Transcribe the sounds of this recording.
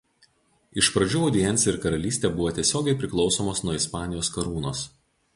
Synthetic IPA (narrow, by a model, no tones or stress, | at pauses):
ɪʃpɾɐd͡ʒʲuːɐʊd̪ʲɪjɛnʲt̪sʲɪɾkɐɾɐlʲiːsʲt̪ʲɛbʊʋoːt̪ʲiɛsʲoːɡʲɛɪpʲɾʲɪklˠɒʊsoːmoːsnuɔɪspɑːnʲɪjoːskɐɾuːnoːs